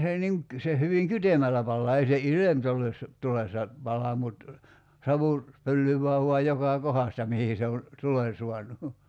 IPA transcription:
se niŋ k se hyʋiŋ kytemælːæ pɑlːɑː ei se ilemtulesːɑ tulesːɑ pɑlɑ mut sɑʋu pølːyʋˑæː ʋuɑj jokɑˑ kohɑstɑ mihi se on̞ tulen̞ suɑnu

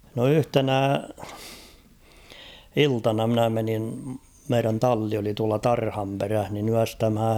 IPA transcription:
no yhtenæ iltɑnɑ mnæ menin meiræn tɑlːi oli tuɑlɑ tɑrhɑmperæh nin yæstæmhæ

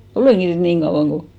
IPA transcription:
oleˑŋki nyt niːŋ kɑuw̆ɑŋ ko

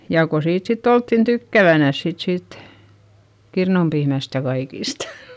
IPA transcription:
jɑˑ ko siːt sitː oltːin tykːæʋænæs sit siːt kirnumpiːmæst jɑ kɑikistɑ̥

